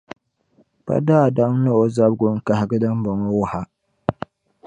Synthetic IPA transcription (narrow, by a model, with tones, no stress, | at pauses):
pa̰˦daː˦˨da˦ŋ˦nɨ˦o˦za˦b̚ɡʊ˦ŋ̩˦ka˨ha˨ɡɨ˦dɨ˦mbɔ˨ŋɔ˦wʊ˦ha˦